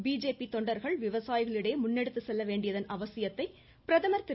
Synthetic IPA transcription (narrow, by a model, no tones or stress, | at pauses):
biːd͡ʒeːpit̪ɔɳɖɐɾɣɐɭʋɪʋɐsaːjɪɣɐɭɪɽeːmʊnːɛɽɯt̪ːɯsɛlːɐʋeːɳɖɪjɐðɐnɐʋɐsɪjɐt̪ːɐɪ | pɪɾɐðɐmɐɾt̪ɪ